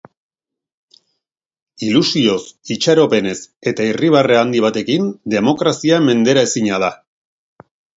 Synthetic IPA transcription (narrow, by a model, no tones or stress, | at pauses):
ilusio̞sit͡ʃaɾo̞pe̞ne̞se̞t̪airiβ̞areand̪iβ̞at̪e̞kind̪e̞mo̞kɾasiame̞nd̪e̞ɾae̞siɲað̞a